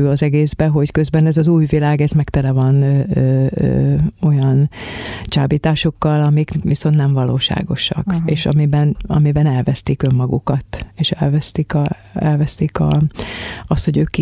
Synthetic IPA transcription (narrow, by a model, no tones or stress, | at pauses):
ylɒzɛɡeːzbɛɦo̞ckø̞zbɛnɛzɒzuːjvilaːɡɛzmɛkt̪ɛlɛvɒnø̰ː | o̞jɒnt͡ʃaːbiːt̪aːʃo̞kːɒlɒmikviso̞nt̪nɛɱvɒloːʃa̰ːɡo̞ʃɒ̰keːʃɒ̰mibɛnɒ̰mibɛnɛlvɛst̪ikø̞mːɒɡṵkɒt̪eːʃɛ̰lvɛst̪ikɒ | ɛlvɛst̪ikɒ̰ | ɒst̪hoɟøːkːi